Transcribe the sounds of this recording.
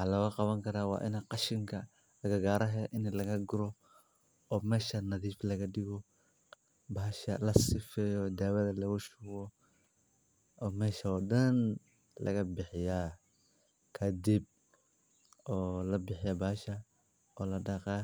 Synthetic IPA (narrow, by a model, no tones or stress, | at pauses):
ħalɐwɐqɑβɐŋkʰɐɾaːwɑ̰ːʔɪ̰naqɑʃɪŋkʰɐ | ɐɣɐɡaːɾɐɦɛʔɪnlɐɣɐɡʊɾɔ | ɔːmɛːʃɐnɐðiːflɐɣɐɗɪɣɔ | bɐːʃɐ̰lɐsɪfɛːjɔd̪aːwɐðɐlɐɣʊʃuwɔ | ɔːmɛːʃɐɔːɗɐn | lɐ̰ɣɐbɪħɪja | kʰɐd̪ɪb̚ | ɔːlɐbɪħɪjɐbaːʃɐ | ɔːlɐɖɑqɑ